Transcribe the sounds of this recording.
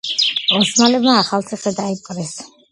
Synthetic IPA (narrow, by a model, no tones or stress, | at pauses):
ɔsmalɛbmaːχalt̪sʰiχɛd̪aipʼɾɛs